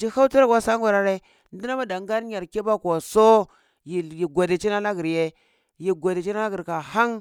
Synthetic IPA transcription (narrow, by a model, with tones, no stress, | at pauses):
d͡ʒi˨ha˦u˦tu˦ɾa˦kwa˦sa˦ŋ˦ɡʷa˨ɾa˦ɾe˦ | n˦di˦na˦ma˦da˨ŋ˦ɡa˦ɾɲa˨ɾke˦ba˦kʷa˨so˦ | ji˨ji˨ɡʷa˨de˨t͡ʃi˦na˦na˦ɡi˨ɾje˦ | ji˨ɡʷa˨de˨t͡ʃi˦na˦a˦ɡi˨ɾka˨ha˦ŋ